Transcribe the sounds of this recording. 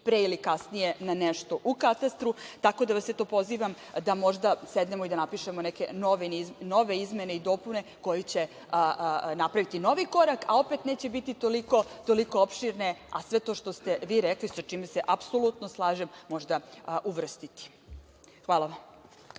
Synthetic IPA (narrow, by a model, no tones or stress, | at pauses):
pɾeilikasnije̞naneʃt̪o̞ʔukat̪ast̪ɾut̪ako̞d̪aʋasːet̪o̞ːpo̞ziːʋam | d̪amo̞ʒd̪ased̪ne̞mo̞id̪anapiʃe̞moneke̞no̞ʋenizno̞ʋe̞izme̞ne̞id̪o̞pune̞ko̞jit͡ɕe̞ | ənapɾaʋit̪ino̞ʋiko̞ɾakao̞pet̪neːt͡ɕebit̪it̪oliko̞t̪o̞liko̞opʃiɾne̞a̰sʋe̞t̪oʃt̪o̞st̪e̞ʋiːɾeklisat͡ʃiːmeseʔapso̞lˠut̪no̞slˠaːʒemːo̞ʒd̪aʔuʋr̩st̪it̪i̥ | xʋaːlˠaʋam